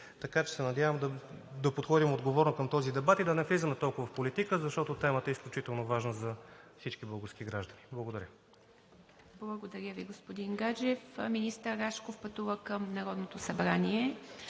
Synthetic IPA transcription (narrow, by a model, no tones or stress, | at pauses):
t̪ɐkat͡ʃɛ̥sɛnɐd̪ʲjavəmd̪ɐ | d̪ɐpot̪xɔd̪imod̪ɡovɔɾnokɐmt̪ɔzid̪ɛbat̪id̪ɐnɛflizəmɛt̪ɔlˠkʊvəfpolit̪ikəzɐʃt̪ɔt̪ot̪ɛmət̪ɛisklʲut͡ʃit̪ɛlˠnovaʒnəzɐfsit͡ʃkibəɡəsk̟iɡɾaʒd̪ɐniblˠəɡod̪ɐɾʲjə | blˠɐɡod̪ɐɾʲəviɡospod̪inɡad͡ʒɛfminist̪əɾːaʃkofpɐt̪uvəkəmnɐɾɔd̪not̪osɐbɾanʲiɛ